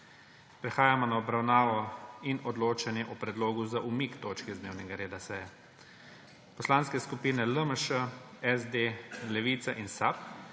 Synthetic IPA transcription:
pɾɛxaːjamɔnaɔbɾawnaːʋɔinɔd̪loːt͡ʃanjɛʔɔpɾɛd̪loːɡuzaʔumikt̪oːt͡ʃkizd̪neːwnɛɡaɾeːd̪asɛjɛ | pɔslaːnskɛskupiːnɛləməʃəɛzd̪eːlɛʋiːt̪saʔinsap̚

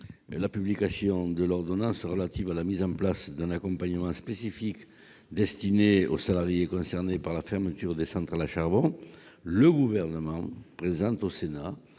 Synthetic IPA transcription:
lapyblikasjɔ̃d̪əlɔʁd̪ɔnɑ̃sʁəlat̪ivalamizɑ̃plasd̪ɛ̃nakɔ̃mpaɲəmɑ̃spesifik | d̪ɛst̪ineo̰salaʁjekɔ̃sɛʁnepaʁlafɛʁmət̪yʁd̪esɑ̃nt̪ʁalaʃaʁbɔ̃ | ləɡuvɛʁnəmɑ̃pχezɑ̃nt̪osena

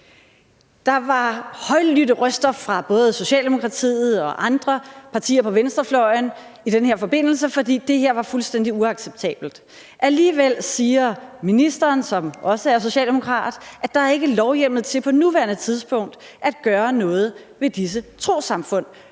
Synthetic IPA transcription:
d̥ɑ̈ʋɑ̈hɒɪlydəʁœsd̥ɐfʁɑ̈b̥ɔ̽ːð̞̩ˠəso̝ɕɛ̰ːld̥e̝mo̝kʰʁɑ̈t͡sʰḭːð̩ˠɒ̽ʔɑ̈nd̥ʁɐpʰɑ̈t͡sʰḭːɐpʰɒ̽ʋensd̥ʁɐflɒn | id̥enɦe̝ɐfɒ̽b̥e̝n̰l̩s̬əfɒ̽d̥ḭːd̥e̝ɦe̝ɐ̰ʋɑ̈fulsd̥en̰d̥iuɑ̈ɡ̥seb̥̚t͡sʰɛ̰ːb̥l̩d̥ | ʔæliːʋel̰siːɐminisd̥ɐːnsɒ̽mʔɒ̽səæɐso̝ɕɛ̰ːld̥e̝mo̝kʰʁɑ̰̈ːd̥ʔæ̥ɑ̈æɐe̝ɡ̥əlɒʊjem̰ð̞̩ˠt͡sʰe̝lpʰɒ̽nuʋæɐnət͡sʰið̞ˠsb̥ɔ̽ŋ̰d̥ | ʔæd̥̚ɡ̥ɶːɐnɔ̽ːð̞̩ˠ | ʋe̝d̥is̬ət͡sʰʁo̝̰ːsɑ̈mfɔ̽n̰

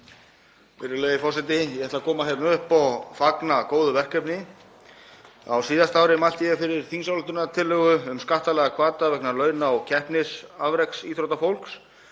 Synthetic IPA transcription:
mɪɾɪleːjɪfɔrsɛt̪̬ɪjɛhɛɾt̪lakʰɔːmaɦeɾnʏhpɔfaknakoːwðʏvɛr̥kœpnɪ | a̰wsiːðast̪aːwɾɪmalt̪ɪjɛfɪɾɪɾ̥θiŋsawlɪt̪ʏnat̪ʰɪlːœɣʏʏmskaht̪alɛɣakʰvaːt̪avɛknalœːɥnaawcʰɛhpnɪsavɾɛksiːt̪ʰɾowt̪afowl̥ks

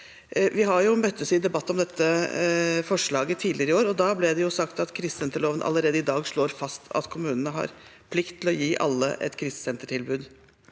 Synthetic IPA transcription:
ʋɪɦɑɾjʊmœt̪ːəsɪd̪ɛbɑt̪ːɔmd̪ɛt̪ːə | fɔʂɭɑːɡət̪ʰiːd̪ɪɾɪoːɾɔd̪ɑblɛd̪ɛjʊsɑkt̪ɑt̪kʰɾɪst̪sɛnt̪əɭoːʋənʔɑ̰lːəɾeːd̪əɪd̪ɑːɡʂɭoːɾfɑst̪ɑ̰t̪kʰʊmʉːnənəɦɑ̰ɾpʰlɪkt̪ʰːɪlɔjiːʔɑ̰lːə̰ʔɛ̰t̪kʰɾɪst̪sɛnt̪əʈʰɪlbʉːd̪

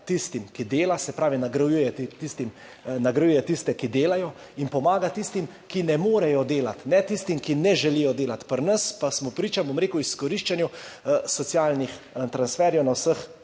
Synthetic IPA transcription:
t̪ist̪imkid̪eːlasɛpɾaːʋinaɡɾɐjujɛt̪it̪ist̪im | naɡɾɐjujɛt̪ist̪ɛkid̪eːlajɔ | inpɔmaːɡat̪ist̪im | kinɛmoːɾɛjɔd̪eːlat̪nɛt̪ist̪imkinɛʒɛlijɔd̪eːlat̪pəɾnəspasmɔpɾiːt͡ʃabomɾeːkuwiskɔɾiʃt͡ʃanjusɔt̪sjaːlnix | t̪ɾansfɛːɾjɛwnawsəx

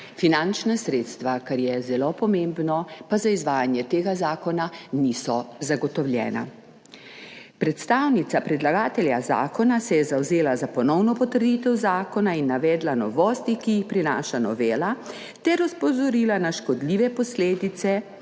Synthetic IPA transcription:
finant͡ʃnasɾeːt̪st̪ʋakaɾjɛzɛlopɔmembnɔpazaizʋaːjanjɛt̪eːɡazaːkɔnanisɔzaɡɔt̪ɔwlʲjɛ̰ːna̰ | pɾɛt̪st̪aːwnit̪sapɾɛd̪laɡaːt̪ɛljaza̰ːkɔnasɛjɛzawzeːlazapɔnɔwnɔpɔt̪əɾd̪it̪ɛwzaːkɔnainːaʋɛːd̪lanɔʋɔːst̪ikijixpɾina̰ːʃanɔʋeːla | t̪ɛɾɔspɔzɔɾiːlanaʃkɔd̪liːʋɛpɔsleːd̪it̪sɛ

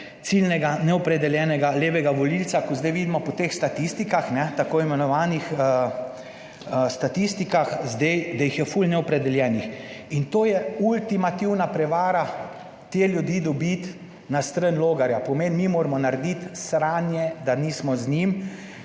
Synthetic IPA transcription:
silnɛɡanɛɔpɾɛd̪ɛljɛːnɛɡaleːʋɛɡaʋɔlilsakɔzd̪ɛjʋid̪imɔpɔt̪exst̪at̪ist̪ikaxnɛt̪akoːimɛnɔʋaːnixə | st̪at̪ist̪ikaxzd̪ejd̪ajixjɛfulnɛɔpɾɛd̪ɛljɛːnixint̪oːjɛult̪imat̪iwnapɾɛʋaːɾa | t̪eːljud̪iːd̪ɔbit̪ | nast̪ɾənloːɡaɾjapɔmenmimoːɾmɔnaɾd̪it̪sɾaːnjɛd̪aniːsmɔznim

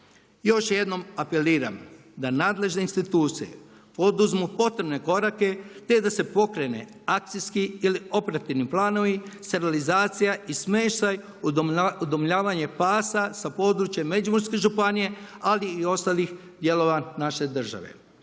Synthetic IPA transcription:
jo̞ʃje̞d̪no̞mape̞liːɾa̰m | d̪anaːd̪le̞ʒne̞inst̪it̪uːt̪sijḛ | po̞d̪uzmupo̞t̪ɾe̞bne̞ko̞ɾake̞t̪e̞d̪ase̞po̞kɾe̞ne̞̰ | ak̚t̪siskiilio̞peɾat̪iʋniplˠaːno̞ʋist̪eɾalizaːt̪sijaismeːʃt̪aj | ud̪omʎaːʋaɲe̞paːsasapo̞ːd̪ɾut͡ʃjemːe̞d͡ʒumoɾske̞ʒupanije̞aliːo̞st̪alix | d̪je̞lo̞ʋanaʃe̞d̪r̩ʒa̰ʋe̞̰

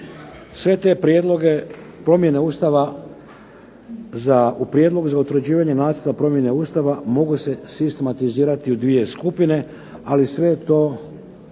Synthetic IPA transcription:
sʋe̞t̪e̞pɾjeːd̪lˠo̞ɡe̞pɾo̞mje̞ne̞uːst̪aʋa | zaupɾjed̪lˠo̞ɡuzaut̪ɾed͡ʑiːʋaɲe̞naːd̪zeɾd̪apɾo̞mje̞ne̞uːst̪aʋamo̞ɡuse̞sist̪e̞mat̪iziːɾat̪iud̪ʋije̞skupine̞ | alisʋe̞t̪o̞ː

